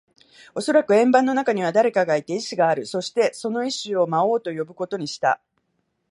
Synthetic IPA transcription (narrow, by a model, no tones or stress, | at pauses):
o̞so̞ɾakɯ̟ẽ̞mbãnːo̞nakaɲ̟iβ̞ad̪aɾe̞kaɡait̪e̞iɕiɡaːɾɯ̟so̞ɕi̥t̪e̞so̞no̞iɕɨo̞mao̞ːt̪o̞jo̞bɯ̟ko̞t̪o̞ɲ̟iɕi̥t̪a̰